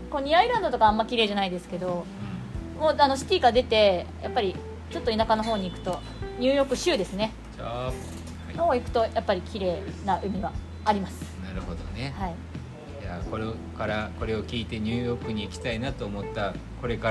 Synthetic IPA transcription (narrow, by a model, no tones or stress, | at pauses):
koːɲ̟ʲiaiɾãnd̪o̞t̪o̞kãːmːakʲiɾe̞ːʑanaid̪e̞sɨ̥ke̞d̪o̞ | moːano̞ɕi̥t̪ʲiːɡad̪e̞t̪e̞jʔapːaɾʲi | t͡ɕo̞t̪ːo̞inakano̞ɦo̞ːɲ̟iːkɯ̟̥t̪o̞ | ɲ̟ɨ̟ːjo̞ːkɯ̟ɕɨːd̪e̞sɨne̞ | t͡ɕo | hnoːikɯ̟̥t̪o̞japːaɾʲikʲiɾe̞ːnaʔɯ̟mʲiɡaː | ɾʲimasɨ̥naɾɯ̟ho̞d̪o̞̰ne̞hai | jaːkoɾe | kaɾako̞ɾe̞o̞kʲiːt̪e̞ɲ̟ɨːjo̞ːkɯ̟ɲ̟iːkʲi̥t̪ainat̪o̞ːmo̞t̪ːako̞ɾe̞ka